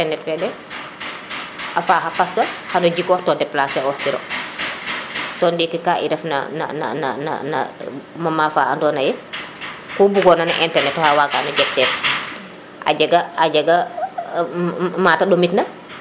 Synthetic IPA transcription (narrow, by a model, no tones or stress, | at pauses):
ɛnɛtfɛːɗɛ | ʔafaːxapaskɐhanɔd͡ʒikɔːtɔːndɛpːlaːsɛɔhkiɾɔ̰ | tɔndikɛkaʔḭdɛfna̰na̰na̰na̰na̰na̰ | mamafaːa̰ndɔːnajɛ | kɔbuɡɔnanaʔɛntɛɾnɛtːɔhawakanɔɟɛtːɛːf | ʔa̰d͡ʒaɡaaɟaɡa | maːtaɗomitnɐ